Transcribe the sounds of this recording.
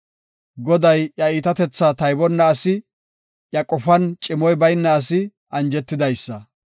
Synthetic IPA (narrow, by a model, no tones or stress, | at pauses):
ɡɔd̪ɐjjɐiːt̪ɐt̪ɛt͡sːat̪ɐjbɔnːɐːsɪ | jɐkʼɔfɐnt͡ʃʼɪmɔjbɐjnːɐːsɪ | ʔɐnd͡ʒɛt̪ːɪd̪ɐjsːɐ